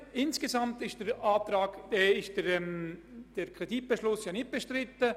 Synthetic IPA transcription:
ɪnsɡ̥ezamtɪʃtd̥ɛɾaːt̪ɾaːɡd̥ɛɪʃdɛɛmd̥ɛɾkʰrɛdit̚b̥eʃlʊsjɑːnɪt̚b̥eʃtrɪtːə

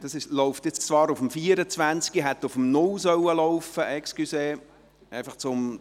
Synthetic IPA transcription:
d̥ɑsɪʃlɔʊftjɪt͡st͡svɑːɾʊfəmfiːəɾət͡sʋænt͡skiɦɛt̪ːʊfəmnʊlsœwəlɔʊfəʔɛkskyseː | ɛɪfɑχt͡sʊm

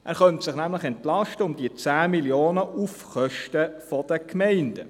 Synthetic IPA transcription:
ʔæːɾχœntsɪχnæmləχɛntlɑʃtəʊmd̥iət͡sæːmiljoːnəʔufχœʃtəfɔd̥əkʰmɛɪnd̥ə̰

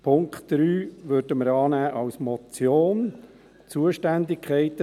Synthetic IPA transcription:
pʰʊŋktd̥ɾyːʋødəməɾɑːnæːʔɑwsmɔt͡sjoːn | t͡suəʃtænd̪ɪkʰχɛɪt̪ə

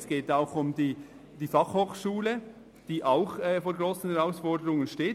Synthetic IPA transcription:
sɡ̥eːtaʊxʊmdiː | d̥iːfɑχhoːxʃuːlə | d̥iːʔaʊxɛːfoːɾɡɾoːsn̩hɛʁaʊsfɔɾdəɾʊŋənʃteː

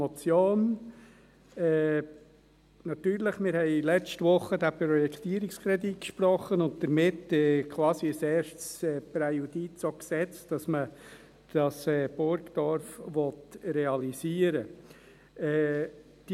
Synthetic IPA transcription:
ɔt͡sjoːn | ɛː | nɑt̪yːɾləχmɪɾhɛɪlɛt͡ʃtʋʊχːədæpɾɔjɛkʰtiəɾɪkskʰɾɛdit̚kʃpɾɔχːənʊnt̚d̥̪əɾmɪtɛkʰʋɑːsiəseːɾʃtsɛːpɾɛjud̥it͡soksɛt͡std̥ɑsmə | d̥ɑsɛːb̥ʊɾkd̥̪ɔɾfʋɔt̪ɾɛɑlisiːəɾə | ɛː | d̥i

